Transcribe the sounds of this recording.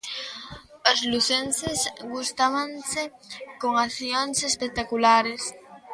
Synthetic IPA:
ozluθensesɡust̪aβansekoŋaθjonsespek̚t̪akulaɾes

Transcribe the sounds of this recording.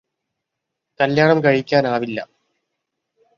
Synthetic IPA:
kɐljaːɳɐmkɐɻikʲːaːnaːʋilːɐ̰

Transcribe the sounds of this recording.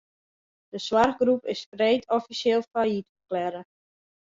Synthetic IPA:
d̥əswarxɡrupɪsfreːtʰɔfiseːlˠfajitfəklɛɾə

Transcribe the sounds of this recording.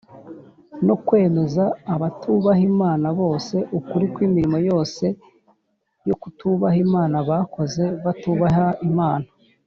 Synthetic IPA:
no̞kwe̞ːme̞zaːβatʰuβaɦimaːnaβo̞ːse̞ʔukuɾikwiːmiɾimojo̞ːse̞ | jo̞kutuβahimaːnaβako̞ze̞βatuβaɦaimaːna

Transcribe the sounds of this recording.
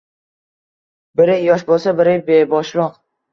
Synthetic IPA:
bɪɾɪjɒʃ̬bolˠsabɪɾɪbebɒʃlˠɒq

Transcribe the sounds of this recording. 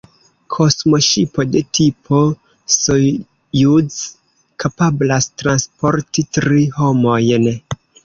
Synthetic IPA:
kʰo̞smo̞ʃipo̞de̞tʰipʰo̞ | so | juz | kʰapablastɾanspo̞ɾtitɾiho̞mo̞jn

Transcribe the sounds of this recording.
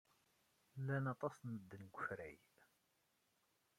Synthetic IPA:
lːænɑt̪ˤɑsnəd̪ːənɡʷəçɾæj

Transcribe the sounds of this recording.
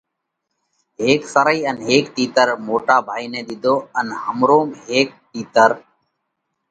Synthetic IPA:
ɦeːksəɾəiːənɦeːkt̪iːt̪əɾmoːʈaːbʱaːiːnẽːd̪ɪd̪ʱoːənhəmɾoːmɦeːk̚t̪iːt̪əɾ

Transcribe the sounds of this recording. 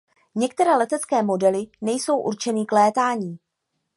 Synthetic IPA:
ɲɛkt̪ɛɾɛːlɛt̪ɛt͡skɛːmo̞dɛlɪnɛjso̞wʔṵɾt͡ʃɛniklɛːt̪aːɲiː

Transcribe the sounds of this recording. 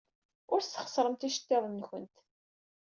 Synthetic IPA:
ʊɾst̪ːə̥χə̥sˤɾˤəmt̪iʃə̥t̪ːɪðˤnːçə̰nt̪

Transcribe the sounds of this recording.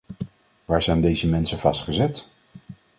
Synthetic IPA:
ʋaːɹzɛjndejzəmɛnsənv̥ɑstχəzɛt

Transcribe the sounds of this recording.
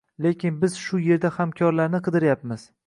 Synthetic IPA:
le̞kʲɪnbɪz̥ʃʊje̞ɾd̪ahamkʲʰɒɾlaɾnɪqʰɨd̪ɪɾjapmɪz̥

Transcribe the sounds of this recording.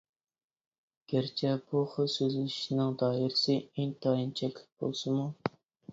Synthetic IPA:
ɡ̥ʲæɾt͡ʃʰɛbuχʊsøzlɪʃnɪŋd̪ɑːɦiɾɪsɪeŋt̪ʰɑːjint͡ʃʰɛkʲlɪ̥kb̥o̰lˠsɨmu

